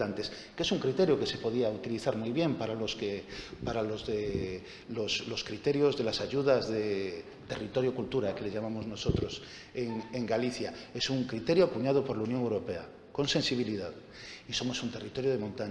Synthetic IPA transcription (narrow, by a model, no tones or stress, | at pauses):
ant̪e̞s | ke̞suŋkɾit̪e̞ɾjoke̞se̞po̞ð̞iaut̪iliθaɾmujβje̞mpaɾaloskepaɾalozðe | losloskɾit̪e̞ɾjozðe̞lasaʝuð̞azðe | t̪e̞rit̪o̞ɾjokult̪uɾake̞leʝamamo̞znoso̞t̪ɾos | eŋeŋɡaliθjae̞suŋkɾit̪e̞ɾjoakuɲað̞opo̞ɾlaunjoŋewɾo̞pe̞a̰ | ko̞nse̞nsiβ̞iliðað | iso̞mo̞sunt̪e̞rit̪o̞ɾjoð̞e̞mõ̞nt̪aɲ